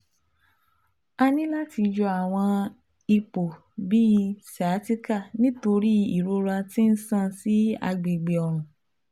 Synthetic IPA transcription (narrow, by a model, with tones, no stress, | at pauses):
a˧nĩ˦la˦ti˧d͡ʒɔ˧a˨w̃ɔ̃˧ | i˧k͡po˨ | bi˦˧sa˨˦ti˦ka˦˨nĩ˦to˧ɾi˦i˦˨ɾo˧ɾa˧ti˦n̩˦sã˦˨si˨˦a̰˧ɡ͡be˨ɡ͡be˨ɔ˨ɾ̃ũ˨